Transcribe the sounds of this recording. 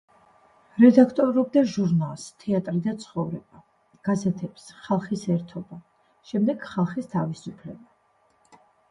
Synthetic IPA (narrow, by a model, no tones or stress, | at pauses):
ɾɛd̪akʰt̪ʼɔɾɔb̚d̪aʒuɾnalˠst̪ʰɛat̪ʼɾid̪at̪sʰχɔvɾɛba | ɡ̥azɛt̪ʰɛpsχalˠχisɛɾt̪ʰɔba | ʃɛmd̪ɛɡ̥χalˠχist̪ʰavisupʰlɛba